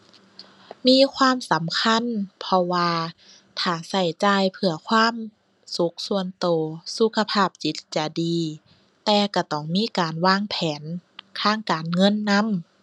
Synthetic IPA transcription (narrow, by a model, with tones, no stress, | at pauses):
miː˧˥˨kʰwaː˧˥˨msa˨˦mkʰa˧˥˨npʰɔ˧waː˧ | t̪ʰaː˨˩sa˧˩jt͡ɕaː˧jpʰɯ˧ɐkʰwaː˧˥˨m | su˨˦k̚su˧ənt̪oː˨˩su˧kʰa˧pʰaː˧˩p̚t͡ɕi˨˦t̪̚t͡ɕa˧˩diː˨˧ | t̪ɛː˧ka˧˩t̪ɔː˧˩ŋmiː˧˥˨kaː˨nwaː˧˥˨ŋpʰɛː˨˦nkʰaː˧˥˩ŋkaː˨nŋɤ˧˥˨nːa˧˥˨m